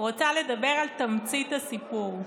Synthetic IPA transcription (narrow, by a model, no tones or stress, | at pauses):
ʁot͡sale̞d̪abe̞ʁalt̪amt͡sit̪asipuʁ